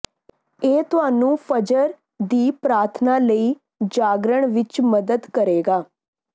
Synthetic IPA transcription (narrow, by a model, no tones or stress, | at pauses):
eːt̪ʊɦaːnũːpʰəd͡ʒəɾ | d̪iːpɾaːɾt̪ʰnaːləiː | d͡ʒaːɡɾəɳ̃ʋɪt͡ʃməd̪əd̪kəɾeːɡaː